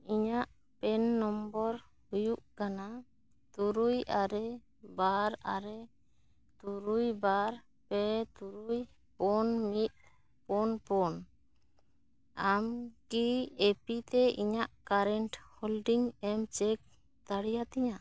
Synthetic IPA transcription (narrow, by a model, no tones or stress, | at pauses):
iɲaʔ | pɛnːɔmbɔɾ | hujuʔkana | t̪uɾujaɾɛ | baɾa̰ɾɛ | t̪uɾujbaɾ | pɛt̪uɾuj | pɔnmit̪̚ | pɔnpɔn | amkiepit̪ɛiɲaʔkaɾɛnʈhɔlɖiŋɛmt͡ʃɛk̚ | t̪aɽijat̪ɛɲa